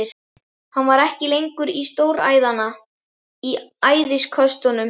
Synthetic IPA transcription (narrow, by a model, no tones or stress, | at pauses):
ɪɾ̥ | hanvaɾɛhcɪlejŋkʏɾist̪oːwɾa̰ːjðana | iaːjðɪskʰœst̪ɔnʏm